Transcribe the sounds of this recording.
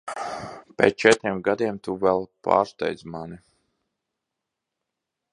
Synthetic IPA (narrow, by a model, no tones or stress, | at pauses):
pʲḛːt͡ʃɛt̪ɾiɛmɡad̪iɛmt̪uvɛlˠpa̰ːɾst̪ɛ̰jd̪zmani